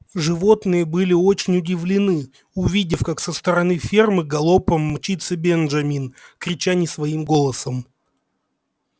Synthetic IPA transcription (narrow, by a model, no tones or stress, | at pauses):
ʐɨvo̞t̪nɨjəbɨlʲɪot͡ɕɪnʲʊdʲɪvlʲɪnɨ | ʊvʲidʲɪfkaksəst̪əɾɐnɨfʲirmɨɡɐlˠo̞pəmːt͡ɕit̪sɨbʲenʐɐmʲinkɾʲɪt͡ɕanʲɪsvɐimɡo̞lˠəsəm